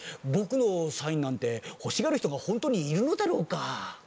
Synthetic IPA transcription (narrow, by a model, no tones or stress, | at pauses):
bo̞kɯ̟no̞saĩnːãnt̪e̞ho̞ɕiɡaɾɯ̟çi̥t̪o̞ɡahõ̞nt̪oɲ̟iːɾɯ̟no̞d̪aɾo̞ːka